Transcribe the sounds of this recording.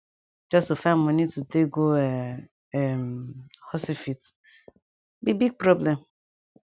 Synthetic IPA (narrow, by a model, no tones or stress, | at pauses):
d͡ʒɔstofãnmɔ̃nĩtuteɡoɛ | ɛmhɔsifit | bibiɡ̚pɾɔblɛ̃m